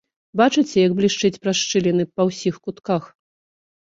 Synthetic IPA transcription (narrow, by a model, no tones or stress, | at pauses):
bat͡ʂɨt͡sʲɛjɐɡblʲiʂt͡ʂɨt͡sʲpɾaʂt͡ʂɨlʲɛnɨpɐwsʲixkut̪kax